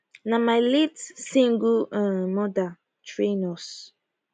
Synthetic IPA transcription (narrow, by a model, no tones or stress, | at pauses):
nãmaɪlitsĩŋɡuãmɔda | tʰɹenɔs